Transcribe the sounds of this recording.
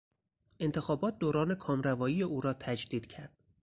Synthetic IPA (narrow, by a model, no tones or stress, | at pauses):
ʔe̞nt̪ʰe̞xɒːbɒːt̪̚d̪oːɾɒːne̞kʰɒːmɾævɒːjiːjeʔuːɾɒːt̪ʰæd͡ʒd̪iːd̪̥cʰæɾd̪̥